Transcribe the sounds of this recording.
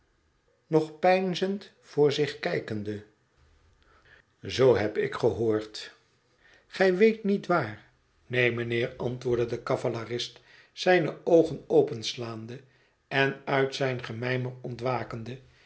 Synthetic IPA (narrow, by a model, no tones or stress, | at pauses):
nɔχpɛjnzənt | fʊːɹzɪχkɛjkəndə | zowɦɛpɪ̰kχəɦoːɹt | χɛjʋejtnitʋaːɹ | nejmənɪːɹɑntʋʊːɹdədəkɑvalarɪst | sɛjnəowχənowpənslaːnd̪ə | ɛnœɥtsɛjnχəmɛjmərɔntʋaːkənd̪ə